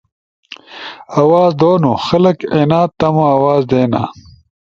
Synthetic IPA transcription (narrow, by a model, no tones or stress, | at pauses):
ɐwaːzd̪oːnuxɐlɐkeːnaːt̪ːɐmoɐwaːzd̪eːna̰ː